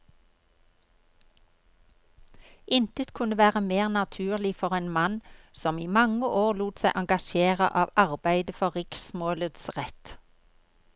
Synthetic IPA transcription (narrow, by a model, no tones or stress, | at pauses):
ʔɪnt̪ət̪kʰʉnəʋæːʁəmeːʁnɑt̪ʰʉːʁlɪfɔʁeːnmɑnsɔmiːmɑŋəʔoːʁluːt̪sæɪʔɑŋɡɑʃeːʁə̰ʔɑːʋɑʁbæɪd̪əfɔʁʁɪksmoːləd̪sʁɛt̪